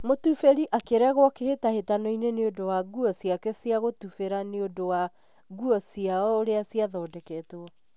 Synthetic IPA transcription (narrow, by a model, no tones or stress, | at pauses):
motufeɾiʔakeɾɛɣwɔkehetahetanɔineneodowaɣuɔsiakɛsiaɣotufeɾaneodowa | ɣuɔsiaɔoɾeasiaðɔːdɛkɛtwɔ